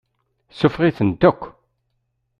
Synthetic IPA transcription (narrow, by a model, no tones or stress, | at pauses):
sʊfʁiθənd̪ækʷː